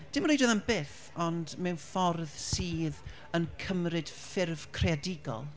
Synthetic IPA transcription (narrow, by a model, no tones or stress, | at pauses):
d̥ɪmrejdɔðambɪːθ | ɔndmɛwnfɔrðsiːð | ənkʰəmrɨd̥fɪrv̥kʰreadɪɡɔ̰lˠ